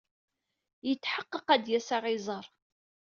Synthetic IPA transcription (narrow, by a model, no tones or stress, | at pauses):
jət͡sːħəqːəqæd̪jæsaʁɪzˤɑɾˤ